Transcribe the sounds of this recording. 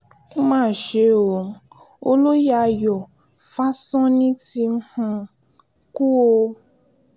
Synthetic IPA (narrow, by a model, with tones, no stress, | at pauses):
mãː˦˨ʃe˧˦o˨ | o˦lo˦ja˧jɔ˨ | fa˦sɔ̃˦nĩ˦ti˧˦hũ˧ | ku˦o˧